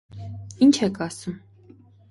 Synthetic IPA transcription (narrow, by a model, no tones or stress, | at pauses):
int͡ʃʰɛkʰɑsum